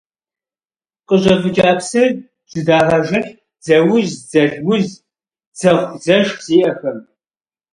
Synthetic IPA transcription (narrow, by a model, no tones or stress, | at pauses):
qʼəʑɐbɨd͡ʒʼaːpʰsɐr | z̥ɨdaːʁɐʒɐɬ | d͡zɐwʊzd͡zɐɮɡʷʊz | d͡zɐʁʷzɐʒz̥iːʔɐxɐm